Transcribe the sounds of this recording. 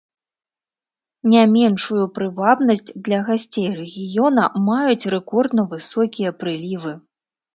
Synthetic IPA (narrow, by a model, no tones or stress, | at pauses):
nʲamʲɛnʂujupɾɨvabnɐsʲt͡sʲd̪lʲɐɣasʲt͡sʲejrɛɣʲijɔnɐmajut͡sʲrɛkɔrd̪nɐvɨsɔkʲijɐpɾɨlʲivɨ